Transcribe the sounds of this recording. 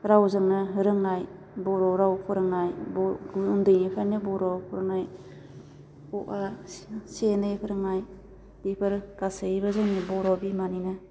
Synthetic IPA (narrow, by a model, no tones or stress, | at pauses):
ɾawzɯŋnɯɦɯɾɯŋaj | bɔɾɔɾawpʰɯɾɯŋajbundɯjnipʰanɯbɔɾɔpʰɯɾɯŋaj | uʔasenɯpʰɯɾɯŋaj | d̥ipʰɯɾɡ̥asaibɯzɯŋnibɔɾɔbimaninɯ